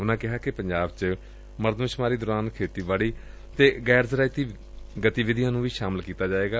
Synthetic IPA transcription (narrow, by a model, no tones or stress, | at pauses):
ʊnãːkɪɦaːkɪpəɲd͡ʒaːbt͡ʃ | məɾd̪mʃmaːɾiːd̪ʊɾaːnkʰeːt̪iːbaːɽiː | t̪eːɡɛːɾzɾaːit̪iː | ɡət̪iːʋɪd̪jãːnũːʋiːʃaːməlkiːt̪aːd͡ʒaːeːɡaː